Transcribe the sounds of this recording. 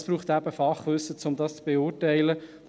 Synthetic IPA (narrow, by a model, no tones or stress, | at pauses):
sb̥ɾuːχt̪æb̥əfɑχʋʏsːət͡sʊmd̪ɑst͡sb̥eʊːrtæɪlə